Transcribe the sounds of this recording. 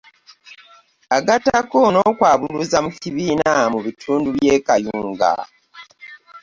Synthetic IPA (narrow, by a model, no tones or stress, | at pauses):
aɡatakono̞ːkwaːβuluzamuciβiːnamuβitʰuːnduβjeːkajuːŋɡa̰